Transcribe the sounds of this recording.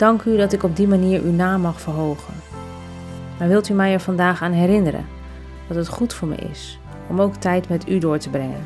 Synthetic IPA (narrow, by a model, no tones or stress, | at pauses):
d̥ɑŋkydɑtɪkɔb̚dimaniːɹʔynaːmːɑχfəɹɦowχən | maːɹʋɪlˠtymɛjɛɹv̥ɑndaːχaːnɦɛrɪnəɾə̰n | dɑtɦətχutfʊːɹmɛ̰jɪ̰s | ɔmowktɛjtmɛtydʊːɹtəbrɛŋə̰n